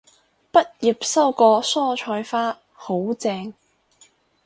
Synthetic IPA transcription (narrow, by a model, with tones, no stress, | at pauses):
pɐ˥t̚ji˨˩p̚sɐ˥wkɔː˧sɔː˥t͡ʃʰɔː˧jfaː˥ | ho˨˥wt͡sɛː˧ŋ